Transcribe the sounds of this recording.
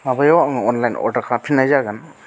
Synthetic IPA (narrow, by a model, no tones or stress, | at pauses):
mabajawaŋaɔnlajnɔ̰dakʰapʰinajzaɡan